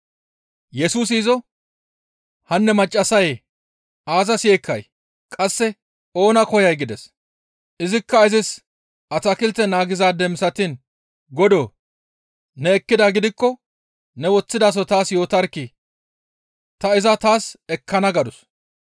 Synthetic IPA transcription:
jɛsuːs̬iːzɔ | hɐnːɛmɐt͡ʃʼːɐsɐj | aːzɐseːkːɐj | kʼɐsːɛ | o̞ːnɐkɔjɐjɡɪd̪ɛs | ɪzɪkːɐɪzɪs | ʔɐt͡sɐkɪlt̪ːɛnaːɡɪzaːd̪ɛmsɐt̪in | ɡɔd̪oː | nɛːkːɪd̪aɡɪd̪ɪkːɔ | nɛwɔt͡sːɪd̪aːs̬ɔt̪aːsjo̞ːt̪ɐɾkːi | t̪ɐɪzɐt̪aːsɛkʰːɐnɐɡɐd̪ʊs

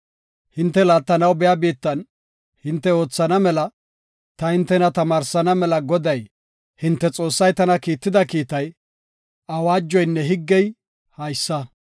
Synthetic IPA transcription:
hɪnt̪ːɛlaːt̪ːɐnɐwbɛjabiːt̪ːɐn | hɪnt̪ːɛo̞ːt͡sːɐnɐmɛlɐ | t̪ɐhɪnt̪ːɛnɐt̪ɐmaːɾsɐnɐmɛlɐɡɔd̪ɐj | hɪnt̪ːɛt͡sʼo̞ːsːɐjt̪ɐnɐkiːt̪ːɪd̪ɐkiːt̪ɐj | ɐwaːd͡ʒːɔjnːɛɦɪɡːɛj | hɐjsːɐ

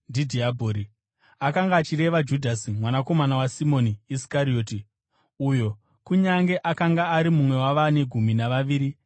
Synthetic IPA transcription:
ndidʱiabʱoːɾi | akaŋɡaːt͡ʃire̞ʋad͡ʒudʱasimwanako̞manawasimo̞niisi̥kaɾio̞ːti | ujo̞ | kuɲaŋɡe̞ʔakaŋɡaːɾimumwe̞waʋane̞ɡʱuminaʋaʋiːɾi

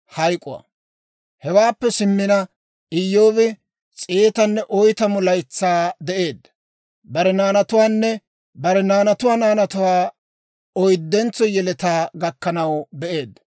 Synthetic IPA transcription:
hɐjkʼʊwɐ̰ | hɛwaːpːɛsɪmːɪnɐ | ɪjːo̞ːβɪ | t͡sʼeːt̪ɐnːɛʔɔjt̪ɐmʊlɐjt͡sːaːd̪ɛʔe̞ːd̪ | bɐɾɛnaːnɐt̪ʊwaːnːɛ | bɐɾɛnaːnɐt̪ʊwaːnaːnɐt̪ʊwaː | ɔjd̪ːɛnt͡sːɔjɛlɛt̪aːɡɐkːɐnɐwbɛʔe̞ːd̪

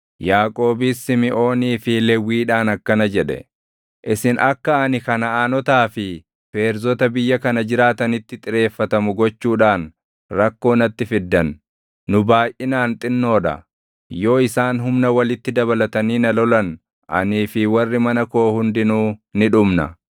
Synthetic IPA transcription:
jaːkʼo̞ːbɪsːɪmɪʔo̞ːniːfɪlɛwːiːᶑaːnɐkːɐnɐd͡ʒɛᶑɛ̰ | ʔɪsɪnɐkːɐːnɪkɐnɐaːnɔt̪aːfɪ | pe̞ːɾzɔt̪ɐbɪjːɐkɐnɐd͡ʒɪɾaːt̪ɐnɪt̪ːɪt̪ʼɪɾe̞ːfːɐt̪ɐmʊɡɔt͡ʃːuːᶑaːn | ɾɐkːo̞ːnɐt̪ːɪfɪd̪ːɐnː | ʊbaːʔɪnaːnt̪ʼɪnːo̞ːᶑɐ̰ | jo̞ːɪsaːnɦʊmnɐwɐlɪt̪ːɪd̪ɐβɐlɐt̪ɐniːnɐlɔlɐn | ʔɐ̰niːfɪwɐrːɪmɐnɐkoːhʊnd̪ɪnuːnɪᶑʊmnɐ̰

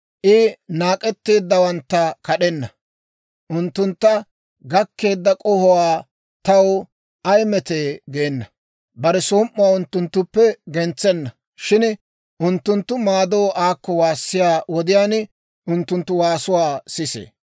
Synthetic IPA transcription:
ʔɪnaːkʼɛt̪ːeːd̪ːɐwɐnt̪ːɐkɐɗɛnːɐ | ʔʊnt̪ːʊnt̪ːɐ | ɡɐkːe̞ːd̪ːɐkʼɔhɔwaː | t̪ɐw | ʔɐjmɛt̪eːɡeːnːɐ | bɐɾɛsoːmʔːʊwaːʊnt̪ːʊnt̪ːʊpːɛɡɛnt͡sːɛnːɐ | ʃɪn | ʔʊnt̪ːʊnt̪ːʊmaːd̪oːʔaːkːɔwaːsːɪjaːwɔd̪ɪjaːn | ʔʊnt̪ːʊnt̪ːʊwaːsʊwaːsɪsḛː

